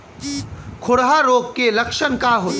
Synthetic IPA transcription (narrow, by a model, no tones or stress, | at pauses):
kʰʊɽɦaɾoːɡkelɐkʃənkaɦoːt̪